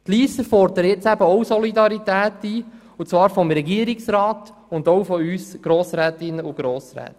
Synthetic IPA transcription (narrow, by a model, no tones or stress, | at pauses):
t̪liːsəfɔɾd̪əɾəjɪt͡sæbəɔwsɔlid̪ɑɾitæːtiː | ʊt͡svɑːɾfɔmɾɛɡiəɾiksɾɑːt | ʊnd̪ɔwfɔyːsɡ̥ɾoːsɾɛːt̪ɪnːəʊɡ̥ɾoːsɾɛ̰ːt̪